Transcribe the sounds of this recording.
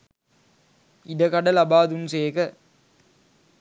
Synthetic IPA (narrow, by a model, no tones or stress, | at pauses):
idɐkɐɽɐlɐbaːd̪umseːkɐ